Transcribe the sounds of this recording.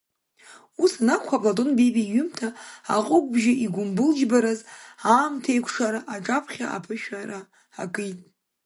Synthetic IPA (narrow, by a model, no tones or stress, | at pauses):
usanakʷʰapʼlatʼonbebiɥʏmtʰaa̰qʼʊkʷʼbʒaʔiɡʷʊmbɨld͡ʒbaɾazaːmtʰejkʷʰʂaɾaʔaʈ͡ʂʼapʰχʲa̰ʔa̰pʰɨʃᶣaɾa | akʼɨjtʼ